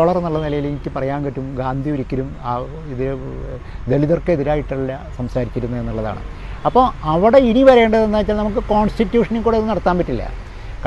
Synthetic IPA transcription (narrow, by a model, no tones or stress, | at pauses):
ɐɭɐrenːuɭːɐnilɐjileŋikʲːɨpɐrɐjaːnkɐʈːumɡaːnd̪ʱiuɾikʲːɐɾumaː | iðiɾ | d̪e̞liðorkːeiðiɾaːjiʈːɐlːɐsɐmsaːɾikʲːɐɾunːue̞nːuɭːɐða̰ːɳɨ̰ | ɐpːoːɐʋiɽe̞iniʋɐɾe̞ːɳɖɐðenːaːjit͡ɕːaːlnɐmuk̬ːɨko̞ːɳsʈitːjuːʂɐnilkuːɽeðɨnɐɽɐt̪ːaːnpɐtːilːɐ̰ | k